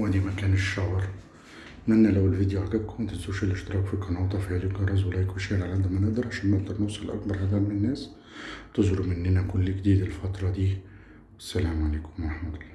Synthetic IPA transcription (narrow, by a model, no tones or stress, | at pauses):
wæd̪iːmækæːnɪʃːɑwɑɾˤ | mænːælæwɪlvid̪juʕaɡæt̪̚kʊmnt̪ɪt̪zuʃɪlʔɪʃt̪ɪɾˤɑːkfikɑnɑːt̪ˤɑfihælɪɡɑɾˤɑzwɑlːɑːjkʊlʃælalʕad̪æmænɪʔd̪ɑɾˤʕaʃæːnmɪʔ̚d̪ɑɾˤnʊwsˤɑlʔa̰kbɑɾˤhæd̪ælmɪnɪnːæːs | t̪ʊzɾumɪnːɪnækʊlːkd̪iːd̪ɪlfɑt̪ɾˤɑd̪iː | æsːælæːmʕaleːkʊ̥mwɾˤɑħmæt̪ʊlˤːɑː